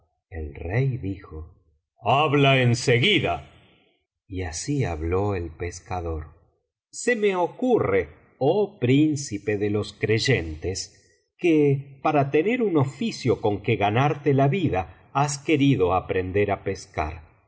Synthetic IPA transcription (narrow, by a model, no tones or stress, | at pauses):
ḛlrejðixo | aβlaenseɣiða | iasiaβlo̞elpeskaðo̞ɾ | se̞meokure | opɾinsipe̞ðelo̞skɾe̞ʒe̞nt̪es | kepaɾat̪e̞ne̞ɾuno̞fisjo̞ko̞ŋkeɣanaɾt̪elaβiða | aske̞ɾiðo̞apɾend̪eɾape̞ska̰ɾ